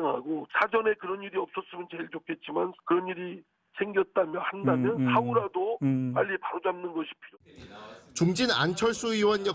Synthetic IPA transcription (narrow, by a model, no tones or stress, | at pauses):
ŋɦa̰ɡosʰad͡ʑʌne̞kɯɾʌniɾiʌp̚s͈ʌs͈ɯmʌnt͡ɕe̞ɭt͡ɕokʰe̞t̚t͡ɕ͈imankɯɾʌniɾi | sʰe̞ŋɡjʌt̚t͈amjʌhandamjʌnsʰauɾadopaʎːipaɾod͡ʑamnɯnɡʌɕʰi̥pʰio | t͡ɕuŋd͡ʑina̰nt͡ɕʰʌɭs͈uiwʌnjʌ